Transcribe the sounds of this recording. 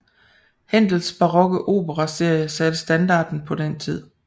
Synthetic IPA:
hen̰d̥l̩sb̥ɑ̈ʁɒ̽ɡ̥əʔo̝̰ːb̥əʁɑse̝ɐ̰jəsæd̥əsd̥ænd̥ɑ̰̈ːd̥n̩pʰɒ̽d̥ent͡sʰið̰ˠ

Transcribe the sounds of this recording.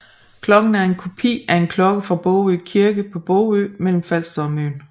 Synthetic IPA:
kʰlɒ̽ɡ̥n̩æɐe̝nkʰo̝pʰḭːæɐe̝nkʰlɒ̽ɡ̥əfʁɑ̈b̥ɔʊøːkʰiɐɡ̥əpʰɒ̽b̥ɔʊø̰ːmel̰m̩fæl̰sd̥ɒmøːn

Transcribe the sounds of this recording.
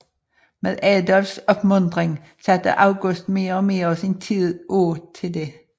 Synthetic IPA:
meðˠɛːd̪ɑlsɔpmɵnd̪̥ʁɪŋ | sæt̪ə̰ʔɑʊɡʉsd̪̥meːʁɔmeːʁɒsint̪ʰiːðˠʔoːt̪ʰɪld̪e

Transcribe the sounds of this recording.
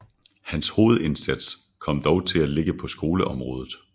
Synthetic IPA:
hænsho̝ːð̞̩ˠe̝nsæd̥s | kʰɒ̽m̰d̥ɒʊt͡sʰe̝læle̝ɡ̥əpʰɒ̽sɡ̥o̝ːləʔɒ̽mʁɔ̽ːð̞ˠð̩ˠ

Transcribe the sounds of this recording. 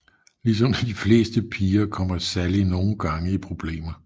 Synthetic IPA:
lis̬ɒ̽mdæd̥ifle̝̰ːsd̥əpʰiːɐkʰɒ̽m̰ɐsælino̝ːn̩ɡ̥ɑ̈ŋəipʰʁo̝b̥le̝̰ːmɐ

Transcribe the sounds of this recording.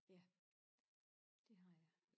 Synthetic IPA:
jæ | d̥e̝ɦɑ̈jɑ

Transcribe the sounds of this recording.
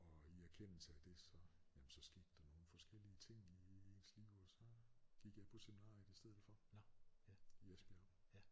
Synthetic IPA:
ɒ̽iæɐkʰen̰l̩səæd̥e̝sɒ̽jæmn̩sɒ̽sɡ̥e̝ːd̥d̥ɑ̈no̝ːn̩fɒ̽sɡ̥el̰iət͡sʰe̝ŋ̰ie̝ːnsliʊɒ̽sɒ̽ɡ̥iɡ̥jɑpʰɒ̽seminɑ̰̈ːjəd̥isd̥eð̰̩ˠfɒ̽ | jesb̥jæ

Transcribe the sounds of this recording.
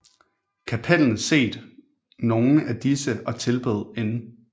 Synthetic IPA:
kʰæpʰel̰n̩se̝̰ːd̥ | no̝ːn̩æd̥isəɒt͡sʰe̝lb̥ḛð̩ˠe̝n

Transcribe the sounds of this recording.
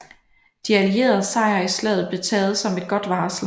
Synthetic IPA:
d̥iælie̝̰ːɐð̩ˠsɑ̈ɪ̰ɐislɛ̰ð̩ˠb̥le̝t͡sʰɛːð̞̩ˠsɒ̽me̝d̥̚ɡ̥ɒ̽d̥ʋɑ̈ːsl̩

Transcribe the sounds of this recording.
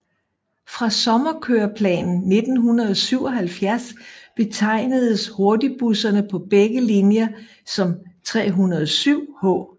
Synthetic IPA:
fʁɑ̈sɒ̽mɐkʰøɐpʰlɛ̰ːnn̩ne̝d̥n̩ɦunɐðˠɒsyʊ̰ɒ̽ɦælfjæɐsb̥e̝t͡sʰɑ̈ɪ̰nəðˠəsho̝ɐdib̥usɐnəpʰɒ̽b̥eɡ̥əlinjɐ | sɒ̽mt͡sʰʁɛ̰ːɦunɐð̩ˠsyʊ̰hɔ̰̽ː

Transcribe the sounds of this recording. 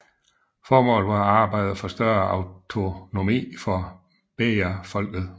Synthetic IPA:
fɒːmɔ̰ːlʋɑ̈ɑ̈ːb̥ɑ̈ɪ̰ð̩ˠfɒ̽sd̥ɶɐɑʊt͡sʰo̝no̝mḭːfɒ̽ | b̥eæfɒ̽l̰ɡ̥ð̩ˠ

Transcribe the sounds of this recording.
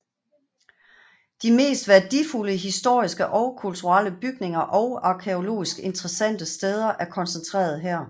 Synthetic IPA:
d̥ime̝̰ːsd̥ʋæɐd̥ifuləɦisd̥o̝ɐ̰isɡ̥əʔɒ̽ʊkʰult͡sʰuʁɑ̰l̰əb̥yɡ̥ne̝ŋɐʔɒ̽ʊɑ̈kʰeo̝lo̝̰ːisɡ̥e̝nt͡sʰʁɛsæn̰d̥əsd̥eð̞ˠɐʔæɐkʰɒ̽nsənt͡sʰʁḛːɐð̞ˠɦæɐ̰

